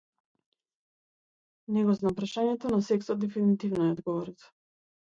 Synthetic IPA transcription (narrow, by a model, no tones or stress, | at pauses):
nɛɡɔznapɾaʃaɲɛt̪ɔnasɛksɔd̪̚d̪ɛfinit̪ivnɔɛɔd̪ɡɔvɔɾit̪ɛ̥